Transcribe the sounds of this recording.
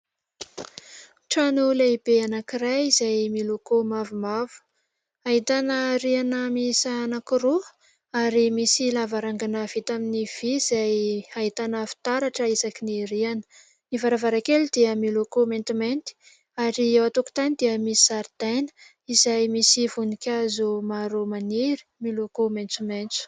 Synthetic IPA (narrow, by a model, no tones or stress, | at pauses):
ʈ͡ʂanulaibeanakirajizajmilokomavumavu̥ | aɦit̪anəɾianəmisanakiɾu | aɾimisilavaɾaŋɡanav̥it̪aminiv̥iz̥ajaɦit̪anəfi̥t̪aɾaʈ͡ʂəizakiniɾianə̥ | nivaɾavaɾakelud̪iəmilokoment̪iment̪i̥ | aɾiewat̪oku̥t̪anid̪iəmisi̥saɾd̪ajnə̥ | izajmisivunikʲazumaɾomaniɾi̥milokoment͡sument͡su̥